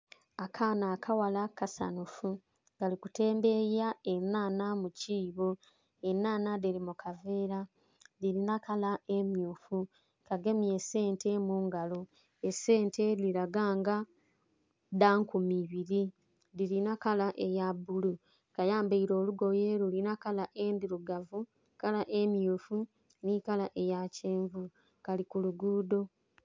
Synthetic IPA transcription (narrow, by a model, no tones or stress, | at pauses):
akʰaːnaːkʰawalakasa̰nufu | ɡalikute̞ːmbe̞jaenaːnamuciːβo̞ | enːaːnadelimukave̞ːɾa | ðiɾinakalae̞mjuːfu | kaɡe̞mje̞se̞ːntʰe̞muːŋɡalo | ese̞ːnte̞liɾaɡaːŋɡa | daːŋkumiβiɾi | diɾinakalaʔejabulu | kajaːmbeiɾo̞ːluɡo̞jeːɾulinakalaʔendiɾuɡavu | kalaʔemjuːfu | nikalaʔe̞jaceːɱvu | kalikuluɡuːdo̞